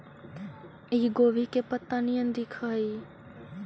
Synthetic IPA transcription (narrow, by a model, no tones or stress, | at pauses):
iɡoʋikepət̪ːənijənd̪ikʰəi